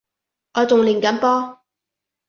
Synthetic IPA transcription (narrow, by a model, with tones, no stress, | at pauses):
ʔɔː˨˧t͡sʊ˨ŋliː˨˩nkɐ˨˥npɔː˥